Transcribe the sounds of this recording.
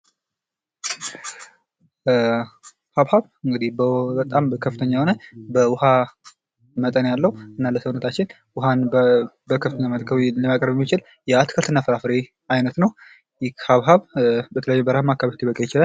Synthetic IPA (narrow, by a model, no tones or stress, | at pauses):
haβhaβ | ɨŋɡɨd̪ihbəbət̪ʼamkʰəfːɨt̪ʰəɲːahonəbəwʊha | mət̪ʼənjalːəhuʔɨnːaləsəwunət̪ʰat͡ʃːɪn | wʊhanbəkʰəfɨt̪ʰəɲːamət̪kʰəβləmakʼɾəβɛmːit͡ʃɪl | jɛat̪kʰəlt̪ɨnːafəɾafɨɾe | ajnət̪nəw | jɪkhaβɦaβbət̪ʰələjajːubəɾahmakːaβət̪ʰibəkʼejɪt͡ʃɪlal